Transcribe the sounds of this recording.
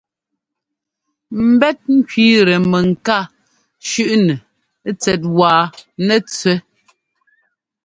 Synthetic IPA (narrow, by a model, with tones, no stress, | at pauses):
m̩˨bɛ˦t̚ŋ̩˦kɥiː˦ɾɛ˨mɛ˨ŋ̩˨ka˦˨ | ʃʉ˦ʔnɛ˨˦ | t͡sɛ˨t̬̚waː˨nɛ˦˨t͡sɥɛ˦